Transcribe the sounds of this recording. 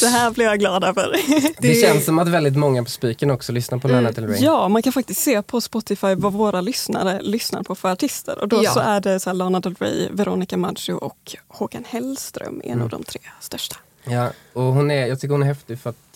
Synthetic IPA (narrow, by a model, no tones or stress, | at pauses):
d̪ɛɦæːɾblɪɾjaɡlɑːd̪afœ̰ɾd̪ɛʃɛnssɔmat̪vɛld̪ɪt̪mɔŋːapʰɔspiːkənɔksɔlʏsnaɾpʰɔlanaɛlɾɛjɑːmankʰanfak̚t̪ɪst̪seːpʰɔspɔt̪ɪfajvavoːɾalʏsna̰ɾəlʏsna̰ɾpʰɔfœɾaʈʰɪst̪ʰə̰ɾʔɔ̰d̪ɔsɔʔæɖɛsæːɭɑːnad̪ɛlɾɛ̰vɛɾɔnɪkamad͡ʒʊʔɔkhuːkanhɛlst̪ɾœ̰mʔɛ̰na̰vd̪ɔ̰mt̪ʰɾeːst̪œʂʈḁ | jɑɔɦʊnæɾjɑːɡt̪ʏk̬ːɾhʊnɛɾhɛft̪ɪɡfœɾat̪